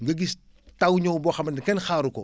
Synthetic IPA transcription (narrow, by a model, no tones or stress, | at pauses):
ŋɡɐɡis | tawɲobɔxɐmɐnkɛnxaːɾuko̰